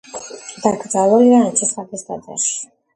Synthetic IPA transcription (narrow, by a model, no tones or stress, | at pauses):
d̪aɡɾd̪zalˠɔliɾanat͡ʃ̪ʰɛsab̪ɛsd̪ad̪a̰ʃi̥